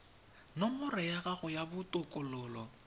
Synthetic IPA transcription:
nɔmʊrɛjaɣaɣʊjabʊtʼʊkʼɔlɔːlɔ

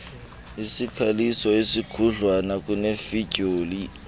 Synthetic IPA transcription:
isikʰalisɔesikʰuɮwanak̬ʼuneficʼoːli

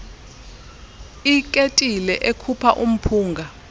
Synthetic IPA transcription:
ikʼetʼilɛʔekʰupʰaʔum̩pʰuːŋɡʱa

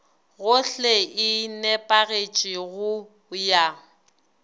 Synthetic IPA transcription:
ɣʊɬeɪnɛpʼaɣet͡ʃʼɪɣʊ | ja

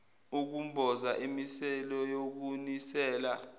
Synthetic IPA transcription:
uk̬umbʱɔzaʔimisɛlɔjok̬unisɛːla

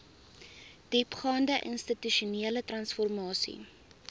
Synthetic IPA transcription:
d̥ipχɑːndəʔənstityʃuniələtrɐnsfɔrmɑːsḭ

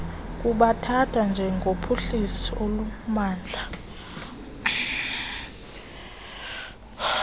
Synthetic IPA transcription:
k̬ʼuɓatʰatʰand͡ʒʱɛŋɡʱopʰoɬisiolumaːnd͡ɮʱa

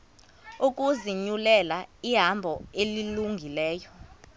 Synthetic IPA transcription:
uk̬ʼuziɲulɛlaiɦambʱɔeliluŋɡʱilɛːjɔ

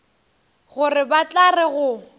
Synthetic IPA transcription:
ɣʊrɪbat͡ɬarɪɣʊ

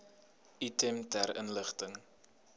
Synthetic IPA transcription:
itɛmtærə̰nləχtəŋ

